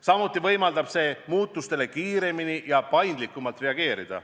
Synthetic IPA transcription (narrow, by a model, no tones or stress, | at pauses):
sɑmut̪ːˑivɤjmɑld̪̥ɑb̥se̞ːmuːt̪ːˑust̪e̞le̞kiːɾe̞minijɑpɑjnd̪likːˑumɑlt̪re̞ɑɡ̥e̞ːɾid̪̥ɑ̰